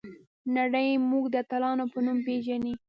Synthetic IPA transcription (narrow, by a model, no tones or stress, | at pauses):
naɽəjmuɡd̪ət̪alɑnopənumpeʒani